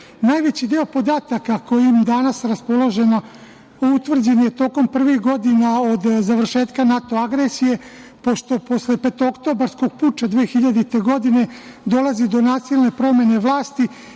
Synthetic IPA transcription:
naːjʋet͡ɕid̪eo̞po̞d̪aːt̪akako̞jimd̪anasɾaspo̞lˠo̞ʒe̞na | out̪ʋr̩d͡ʑenijet̪o̞ːko̞mpr̩ʋixɡo̞d̪inao̞d̪zaʋr̩ʃe̞ːt̪kanat̪o̞aɡɾesije̞ | po̞ʃt̪o̞po̞sle̞pet̪okt̪o̞baɾsko̞ɡ̚puːt͡ʃad̪ʋeːxiʎad̪it̪e̞ɡo̞d̪ine̞ | d̪o̞lazid̪o̞naːsilnepɾo̞me̞ne̞ʋlˠaːst̪i

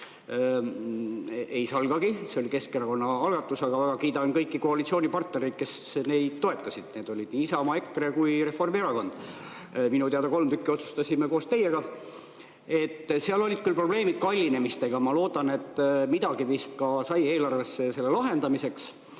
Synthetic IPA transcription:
e̞jsɑlɡ̥ɑɡ̥ise̞olike̞skeɾɑko̞nːɑɑlɡ̥ɑt̪ːˑusɑɡ̥ɑvæɡ̥ɑkiːd̪ɑnkɤjkːˑikoɑlit̪sionʲipɑrt̪neɾejd̪̥̚ke̞sne̞jd̪̥̚t̪ːo̞e̞t̪ːˑɑsid̪̥ne̞ːd̪o̞lʲid̪̥niːisɑomɑe̞kːrekujɾe̞fo̞rmieɾɑko̞nd̪̥ | minut̪eɑd̪ɑko̞lmt̪ykːˑio̞t̪su̥st̪ɑsimekoːst̪e̞jːeɡ̥ɑ | e̞t̪ːseɑlo̞lʲid̪̥kylpro̞b̥le̞ːmid̪̥̚kɑlʲːine̞mist̪e̞ɡ̥ɑmɑlo̞ːd̪ɑne̞t̪ːˑmid̪̥ɑɡivist̪kɑsɑje̞ːlɑrvesːese̞lːelɑɦe̞nd̪ɑmise̞ks

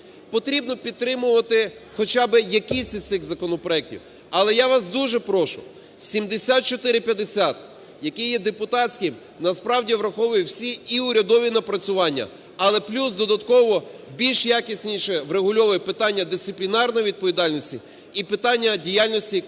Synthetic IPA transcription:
pɔt̪ɾʲibnɔpʲid̪t̪t̪ːɾɪmʊʋɐt̪ɪxɔt͡ʃabɪjɐkɪsʲit̪ɪxzɐkɔnɔpɾɔjɛk̚tʲḭw | ɐlˠɛjaʋɑsd̪uʒɛpɾɔʃʊ | sʲimd̪esʲat̪̚t͡ʃɔt̪ɪɾɪpʲjɐd̪esʲat̪ | jɐkɪjɛd̪epʊt̪ɑsʲkɪm | nɐspɾɑwdʲiʋɾɐxɔʋʊjʊwsʲiiʊɾʲɐd̪ɔʋʲinɐpɾɐt͡sʲʊʋɑnʲːɐ̰ | ɐlˠɛplʲusd̪ɔd̪ɐt̪kɔʋɔ | bʲilʲʃjakʲisʲnʲiʃɛʋɾeɦʊlʲɔʋɛpɪt̪ɑnʲːɐd̪ɪst̪ɪplʲinɑrnɔjiʋʲid̪̚pɔʋʲid̪ɑlʲnʲɔsʲtʲḭ | ipɪt̪ɑnʲːɐdʲijalʲnɔsʲtʲi

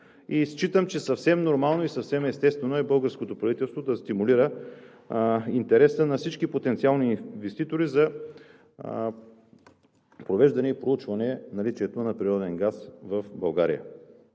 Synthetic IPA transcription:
ist͡ʃit̪əmt͡ʃɛsɐfsɛmnoɾmalˠnoisɐfsɛmɛst̪ɛst̪vɛnoɛbɤlˠɡəɾskot̪opɾɐvit̪ɛlˠst̪vod̪ɐst̪imuliɾə | int̪ɛɾɛsənɐfsit͡ʃkipot̪ɛnt̪sialˠninvɛst̪it̪oɾizɐ | pɾovɛʒd̪ɐnɛipɾout͡ʃvɐnɛnɐlit͡ʃiɛt̪onɐpɾiɾɔd̪ɛnɡasvəfbɐlˠɡaɾḭjə̰

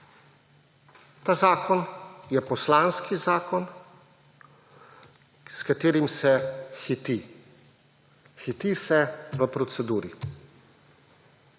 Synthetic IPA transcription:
t̪aːzaːkɔnjɛpɔslanskʰizaːkɔn | skat̪eːɾimsɛxit̪i | xit̪isɛʋəpɾɔt̪sɛd̪uːɾi

